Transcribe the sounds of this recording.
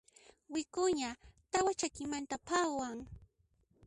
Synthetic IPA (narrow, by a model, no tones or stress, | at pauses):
wɪkʊɲat̪awat͡ʃakɪmant̪apawaŋ